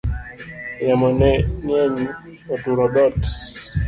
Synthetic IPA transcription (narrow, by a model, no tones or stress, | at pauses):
jamɔnɛɲɛɲi | ɔtuɾɔɗɔt